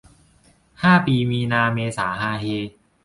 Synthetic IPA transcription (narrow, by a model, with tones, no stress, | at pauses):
haː˥˩piː˧miː˧naː˧meː˧saː˩˦haː˧ɦeː˧